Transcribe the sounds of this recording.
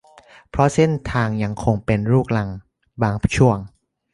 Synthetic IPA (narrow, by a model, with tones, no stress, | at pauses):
pʰɾɔ˦˥se˥˩nt̪ʰaː˧ŋja˧ŋkʰo˧ŋpe˧nɾuː˥˩k̚la˧ŋ | baː˧ŋt͡ɕʰu˥˩əŋ